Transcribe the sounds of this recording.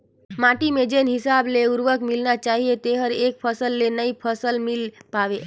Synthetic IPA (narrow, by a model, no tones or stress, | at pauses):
mãʈimed͡ʒenɦisableuɾʋəkmilnat͡ʃaɦijet̪eɦəɾek̚pʰəsəlːenəipʰəsəlmilpaʋe